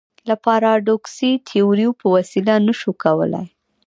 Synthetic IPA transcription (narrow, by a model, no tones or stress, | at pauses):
lapaɾɑɖoksit̪ʰioɾjupəwasilanəʃukawə̰la̰j